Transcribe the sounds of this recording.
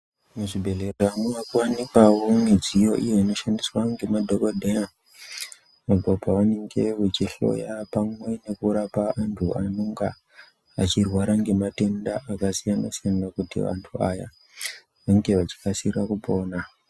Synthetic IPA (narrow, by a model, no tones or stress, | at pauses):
muʐibʱe̞ɮe̞reamuʋakuwanikwawone̞d͡zijo̞ʔijo̞ino̞ʃandiswaŋɡe̞madʱokodʱeja | mabʱopaʋane̞ŋɡe̞ʋut͡ʃiɬo̞̰japamwe̞ne̞kuɾapaːntʰuanoŋɡa̰ | at͡ʃirwaɾaŋɡe̞mate̞ndaʔakasijana̰sijanakutḭʋa̰ntʰua̰ja̰ | ʋaŋɡe̞ʋat͡ʃi̥kasirakupo̞ːna